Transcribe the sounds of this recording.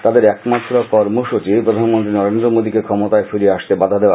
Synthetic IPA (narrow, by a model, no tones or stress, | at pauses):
t̪ad̪eɾɛkmat̪ʰoɾapɔɾmuʃot͡ɕipɾod̪ʱanmont̪ɾinɔɾend̪ɾomod̪ikekʰɔmot̪aefiɾieaʃt̪ebad̪ʱad̪eoa